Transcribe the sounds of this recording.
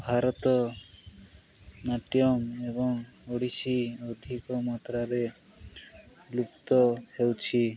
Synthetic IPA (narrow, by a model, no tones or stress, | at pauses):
bʱaɾɔt̪ɔ | naʈjɔmebɔŋoɽisiod̪ʱikɔmat̪ɾaɾe | lup̚t̪ɔhewt͡ʃʰi